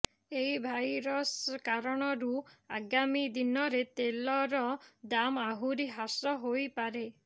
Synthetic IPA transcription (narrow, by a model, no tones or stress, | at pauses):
eibʱajɾɔskaɾɔɽ̃ɔɾuaɡamid̪inɔɾet̪elɔɾɔd̪amaɦuɾiɦasɾɔɦojpaɾe